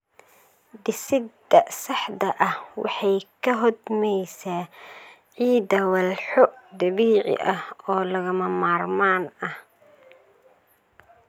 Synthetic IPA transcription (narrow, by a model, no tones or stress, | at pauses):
d̪ɪsɪd̪ɐsɑħd̪ɐʔɐhwɑ̰ħɑjkʰɐɦɔd̪mɛjsaː | ʕiːd̪ɐwɐlħɔd̪ɐβiːʕɪ̰ʔɐhɔːlɐɣɐmɐmaːrmaːnɐh